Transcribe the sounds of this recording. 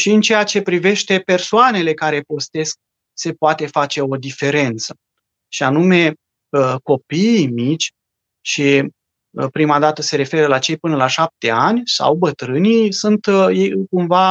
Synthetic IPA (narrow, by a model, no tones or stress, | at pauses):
ʃiɨnt͡ʃejat͡ʃe̞pɾive̞ʃt̪e̞pe̞rsoane̞le̞kaɾe̞po̞st̪e̞sk̚ | se̞poat̪e̞fat͡ʃe̞o̞d̪ife̞ɾe̞nt̪sə̥ | ʃianume̞ | əko̞pimit͡ʃʲ | ʃi | pɾimad̪at̪əse̞ɾe̞fe̞ɾəlat͡ʃe̞jpɨnəlaʃap̚t̪e̞anʲsa̰wbət̪ɾɨnijsunt̪jejɨkumva